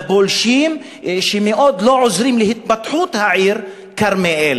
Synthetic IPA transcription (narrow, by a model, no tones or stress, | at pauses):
bolʃiːm | ʃemeʔoːd̪loʕʊzɾiːmlɪhɪt̪̚bat̪ħuːt̪haʕiːɾ | kaɾmeʔel